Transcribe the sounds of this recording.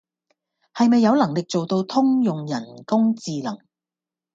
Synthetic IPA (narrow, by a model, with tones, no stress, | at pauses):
hɐ˨jmɐ˨jːɐ˨˧wlɐ˨˩ŋlɪ˨k̚t͡so˨wt̪o˧wt̪ʰʊ˥ŋjʊ˨ŋjɐ˨˩nkʊ˥ŋt͡siː˨lɐ̰˨˩ŋ